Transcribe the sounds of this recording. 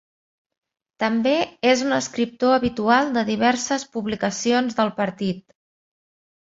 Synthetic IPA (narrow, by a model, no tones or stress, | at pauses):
t̪əmbeezunəskɾip̚t̪oəβit̪ualˠd̪əðiβ̞ɛɾsəspuβlikəsionzðəlˠpəɾt̪it̪